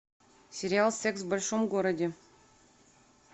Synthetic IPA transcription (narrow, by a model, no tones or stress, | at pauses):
sʲeɾʲɪalˠsʲeksvbɐlʲʂomɡoɾədʲe